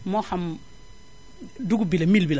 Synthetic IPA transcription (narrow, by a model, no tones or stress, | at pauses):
mɔham | duɡubilɐmilbil